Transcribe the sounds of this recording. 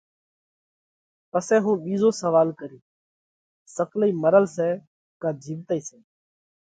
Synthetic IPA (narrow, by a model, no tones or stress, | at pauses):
pəsɛːɦũːɓiːzoːsəʋaːlkəɾiː | səkʰliːməɾəlsɛː | kãːd͡ʒʱiːʋt̪əːiːsɛː